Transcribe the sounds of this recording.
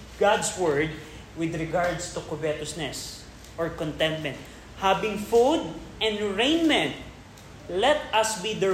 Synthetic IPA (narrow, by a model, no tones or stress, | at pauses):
ɡ̥ad̪swɛɹd̪̚ | wɪd̪ɹɪɡaɹd̪st̪ʊkʊbɛt̪ʊsnɛs | ʔɔɹkɔ̃nt̪ɛ̃nt̪̚mɛ̃nt̪̚ | habɪ̃ŋfud̪̚ʔɛ̃nd̪ɹẽjnmɛ̃nt̪̚ | lɛt̪̚ɐsbid̪ə